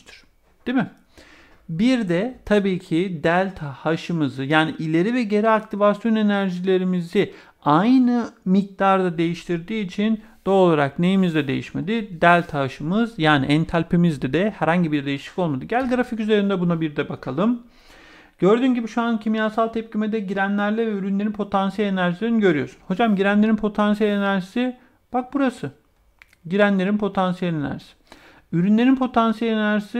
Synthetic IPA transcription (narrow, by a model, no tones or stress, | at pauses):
t̪ʰɾ̥ | d̪̥imɪ | biɾd̪ɛt̪ʰabiːcʰid̪ælʲt̪ʰhaʃɯmɯzɯjaːniʔilʲe̞ɾivɛɟe̞ɾiakt̪ʰivasjo̞ne̞næɾʒilʲe̞ɾimizɪ | ajnɯmic̚t̪aɾd̪ad̪e̞jiʃt̪ʰiɾd̪iːt͡ʃʰin | d̪̥oːlˠaɾakne̞jimizd̪ɛd̪e̞jiʃmed̪id̪ælʲt̪ʰaʃɯmɯzjaːnḭʔænt̪ʰalʲpʰimizd̪ɛd̪ɛhæɾhaɲɟibiɾd̪e̞jiʃt̪i̥ko̞lˠmad̪ɯɟælʲɡɾaficyze̞ɾind̪ɛbunabiɾd̪ɛbakʰalˠɯm | ɟ̥ø̞ɾd̪yːnɟibiʃuancʰimijaːsalˠt̪ʰɛp̚cimed̪ɛɟiɾænlʲæɾlʲɛvɛyɾynlʲe̞ɾinpʰo̞t̪ʰansijɛlʲenæɾʒisʲiiniɟø̞ɾyjo̞̰sunho̞d͡ʒamɟiɾænleɾinpʰo̞t̪ʰans̬ijɛlʲenæɾʒisi | b̥ak̚buɾasɯ | ɟiɾænlʲe̞ɾinpʰo̞t̪ʰansijelʲenæ̰ɾʒi̥sɪ̥ | yɾynlʲe̞ɾinpʰo̞t̪ʰansijɛlʲenæɾʒisi